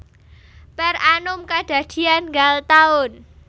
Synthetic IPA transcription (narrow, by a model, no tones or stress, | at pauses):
pɛranʊmkad̪̥ä̤d̪̥i̤anŋɡalt̪aʊn